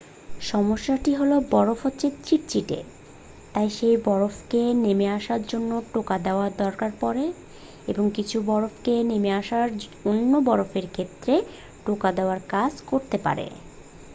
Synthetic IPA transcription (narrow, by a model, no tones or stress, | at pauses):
ʃɔmoʃːaʈiɦolobɔɾofotːɕʰet͡ɕiʈ̚t͡ɕiʈḛ | t̪ajʃejbɔɾofkenemeaʃaɾd͡ʑonːoʈokad̪eoaɾd̪ɔɾkaɾpɔɾe | eboŋkit͡ɕʰubɔɾofkenemeaʃaɾonːobɔɾofeɾkʰet̪ːɾe | ʈokad̪eoaɾkad͡ʑkoɾt̪epa̰ɾḛ